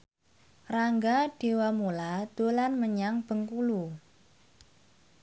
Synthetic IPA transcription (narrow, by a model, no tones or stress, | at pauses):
raŋɡaɖ̥e̤wamulad̪̥olanməɲaŋb̥ə̤ŋkulu